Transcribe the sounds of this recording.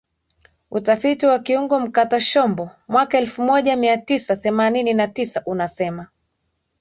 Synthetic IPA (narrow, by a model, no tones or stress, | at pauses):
utafitiwakiuŋɡɔm̩kataʃɔmbɔmwakaɛlfumɔʄamiatisaθɛmanininatisaʔunasɛma